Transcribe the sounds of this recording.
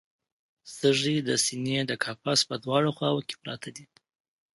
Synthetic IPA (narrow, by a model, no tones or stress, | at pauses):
st̪əʐid̪əsined̪əkʰɑfɑspəd̪wɑɽoxwɑwoke̥pɾɑt̪ʰad̪i